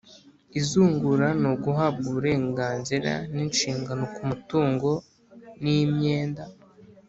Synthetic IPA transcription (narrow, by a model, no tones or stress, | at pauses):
izuːŋɡuɾanoɡuɦab̚ɡuβuɾe̞ːŋɡaːnziɾa̰ninʃiːŋɡano̞kumutuːŋɡo̞ | nimɲe̞ːnda